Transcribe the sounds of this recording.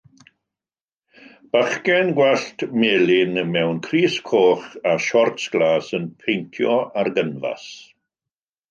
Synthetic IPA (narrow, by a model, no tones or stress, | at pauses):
b̥aχkɛnɡwɛɬtmeːlɪnmɛwnkʰriːskʰoːχaʃɔrtsɡ̥lˠaːsənpʰejntʰjɔarɡənva̰s